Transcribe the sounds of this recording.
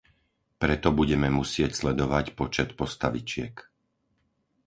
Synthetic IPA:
pɾɛt̪ɔbuɟɛmɛmusɪɛcslɛd̪ɔʋacpɔt͡ʃɛt̪pɔst̪aʋit͡ʃɪɛ̰k

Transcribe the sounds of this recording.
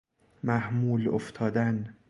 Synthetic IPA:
mæhmuːlo̰ft̪ʰɒːd̪æn

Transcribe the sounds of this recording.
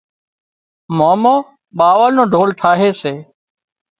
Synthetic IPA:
moːmoː | ɓaːʋəlnõːɖʱoːlʈʰaːɦeːseː

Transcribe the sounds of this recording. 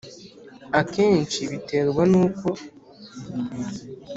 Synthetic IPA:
akeːɲt͡ʃiβiteɾɡwanuːko̞

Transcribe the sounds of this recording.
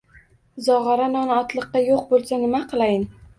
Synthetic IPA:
zɒʁɑɾanɒnɒt̪lˠɨqːɑjoq̚bolˠsanɪmaqʰɨlˠajɪn

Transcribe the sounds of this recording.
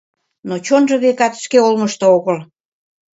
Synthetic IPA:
not͡ɕonʒɤ̆βekɑt̪ʃkeolməʃt̪ooɣəl

